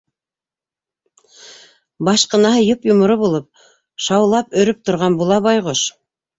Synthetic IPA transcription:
bɑʃqɤ̆nɑɦɤjopjŏmŏɾɤbulˠɤp̚ | ʃɑwlˠɑpɵ̆ɾɵp̚t̪ŏɾʁɑnbulˠɑβɑjʁoʃ

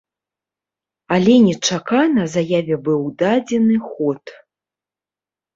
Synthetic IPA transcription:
alʲɛnʲɛt͡ʂakanɐzajavʲɛbɨwd̪ad͡zʲɛnɨxɔt̪

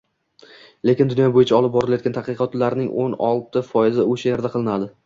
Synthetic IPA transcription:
le̞kʲɪnd̪ʊnjɒbojɪt͡ʃʰaɒlˠɪp̚bɒɾɪlajɒt̪kʲant̪ʰɑqɨqʰɒt̪laɾɪnɪŋʔonɒ̰lˠt̪ʰɪfɒjɪzɪoʃajaɾd̪aqʰɨlˠɪnad̪ɪ

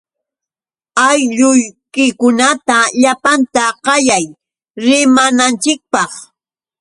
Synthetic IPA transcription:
ajʎʊjkɪkʊnat̪aʎapant̪aqɑjaj | ɾɪmanant͡ʃɪk̚pɑχ

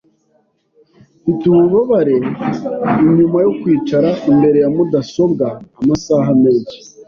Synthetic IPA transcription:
fitumuβaβaɾe̞ | iɲumajokwiːt͡ʃaɾaimbe̞ɾe̞jamudaso̞bɡaːmasaɦame̞ːnʃi̥

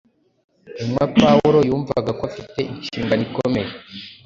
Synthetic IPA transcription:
imwapauɾojuːɱva̰ɡakwafite̞ʔinʃiːŋɡanikome̞je

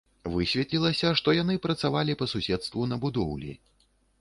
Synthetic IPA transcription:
vɨsʲvʲɛt̪ʲlʲilˠɐsʲɐʂt̪ɔjanɨpɾɐt̪savalʲipɐsusʲɛt̪st̪vunɐbud̪ɔwlʲḭ

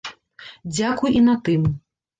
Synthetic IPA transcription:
d͡zʲakujʔinat̪ɨm

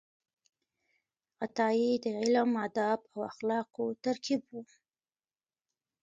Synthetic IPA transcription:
ɣat̪ɑjid̪əʕɪlamad̪ɑbawaxlɑkot̪aɾkibwu

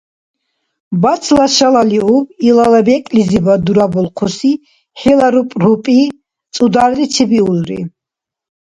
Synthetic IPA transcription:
bat̪sʰlaʃalaliubilalabɛkʼlizibad̪uɾabɔlˠqʰusi | ħɛlaɾupʼɾupʼi | t̪sʼud̪aɾlit͡ʃʰɛbiulɾḭ

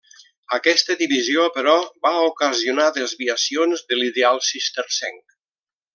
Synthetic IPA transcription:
əkɛst̪əðiβiziopəɾɔβaokəziunaðəzβiəsionzðəliðealˠsist̪eɾsɛ̰ŋk

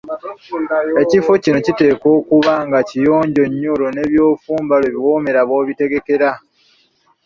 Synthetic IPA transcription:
e̞cifocino̞cite̞ːko̞ːkuβaŋɡacijo̞ːɲɟo̞ɲːolo̞ne̞βjo̞ːfuːmbaloeβiwo̞ːme̞ɾaβo̞ːβite̞ɡe̞ke̞ɾa

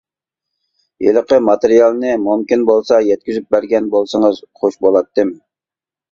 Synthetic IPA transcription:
jḛlˠəqəmɑt̪eɾijɑlˠnɨmumkʲinbolˠsɑjɛt̪̚kʲyzyp̚bæɾɡʲɛnbolˠsəŋəzχoʃbolˠɑt̪ːɨm

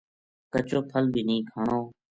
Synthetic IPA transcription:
kət͡ʃoːpʰəlbʱiːnĩːkʰaːɳoː

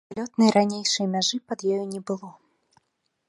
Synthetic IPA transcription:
lʲɔt̪nɨjɾanʲejʂɨjɐmʲaʐɨpɐd̪jɔjɔnʲɛbɨlˠɔ

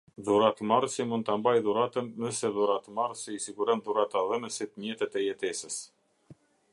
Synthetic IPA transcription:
ðuɾat̪əmaɾsimund̪t̪ambajðuɾat̪ənðɛsɛðuɾat̪əmaɾsiisiɡuɾɛnðuɾat̪aðɛnəsit̪mjɛt̪ɛt̪ɛjɛt̪ɛsəs

